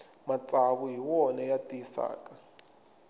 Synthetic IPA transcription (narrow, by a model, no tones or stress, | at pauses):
mat͡sʼaβuɦiwɔnɛjatʼisa̰ːkʼa